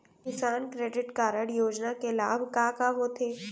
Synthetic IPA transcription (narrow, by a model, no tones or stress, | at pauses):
kɪsaːnkɾeːɖɪʈkaːɾəɽjoːd͡ʒnakelaːbʱkaːkaɦot̪ʰeː